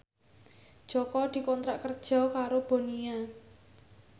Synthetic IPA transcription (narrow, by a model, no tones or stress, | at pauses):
d̥ʒ̥ɔkɔd̪̥i̤kɔnt̪ɾaʔkərd̥ʒ̥ɔ̤kaɾob̥o̤nia